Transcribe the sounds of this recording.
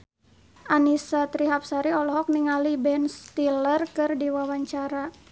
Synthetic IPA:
ʔanisat̪ɾiɦap̚saɾiɔlɔɦɔk̚niŋalibɛnst̪ilərkɨrdiwawaɲt͡ʃaɾa

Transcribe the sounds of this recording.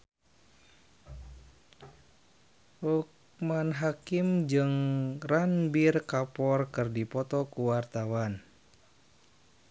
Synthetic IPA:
huk̚ | manɦakimd͡ʒɨŋranbirkapɔrkɨrdipɔt̪ɔkuwart̪awan

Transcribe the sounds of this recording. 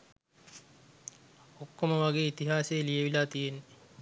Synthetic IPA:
okːoməʋaɡeːit̪iɦaːsejːlijeʋilaːt̪ijenːe

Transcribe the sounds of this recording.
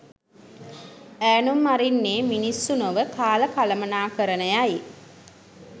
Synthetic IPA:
æːnumːaɾinːeːminisːunoʋəkaːləkaləmənaːkəɾənəjai

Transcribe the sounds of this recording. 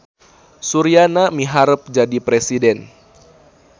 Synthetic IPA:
suɾianamiɦaɾəp̚d͡ʒadipɾesidɛn

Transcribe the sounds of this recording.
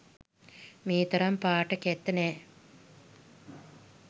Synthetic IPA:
miːt̪ɐɾampaːʈəket̪ːɐnɛː

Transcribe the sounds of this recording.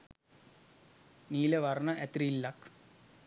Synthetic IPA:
niːleʋɐrnɐʔet̪rilːɐk

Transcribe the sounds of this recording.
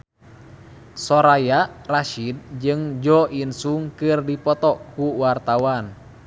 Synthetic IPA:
sɔɾajaraʃid̚d͡ʒɨŋd͡ʒɔinsuŋkɨrdipɔt̪ɔkuwart̪awan

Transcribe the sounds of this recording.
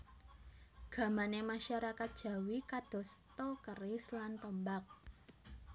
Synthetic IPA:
ɡ̥ä̤manemaʃaɾakat̪̚d̥ʒ̥ä̤wikad̥ɔ̤st̪ɔkərɪslant̪əmbak̚

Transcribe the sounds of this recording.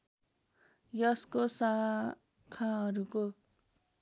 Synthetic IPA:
jʌskosa | kʰaɦʌɾuko

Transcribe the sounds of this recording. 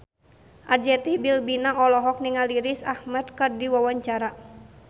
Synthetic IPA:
ʔard͡ʒɛt̪ihbilbinaɔlɔɦɔk̚niŋaliɾisahmad̪̚kɨrdiwawaɲt͡ʃaɾa

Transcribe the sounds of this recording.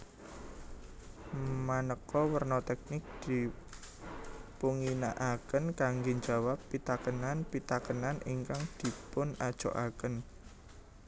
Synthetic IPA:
manəkɔwərnɔt̪ɛk̚nɪk̚d̪̥i̤ | puŋinaʔakənkaŋɡeɲd͡ʒa̤wapːit̪akənanpit̪akənanʔiŋkaŋd̪̥i̤pʊnad̥ʒ̥o̰ʔakən

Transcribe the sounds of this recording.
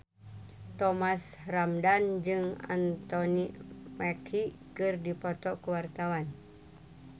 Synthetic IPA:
t̪ɔmasramdand͡ʒɨŋa̰nt̪ɔnimɛkʰikɨrdipɔt̪ɔkuwart̪awan

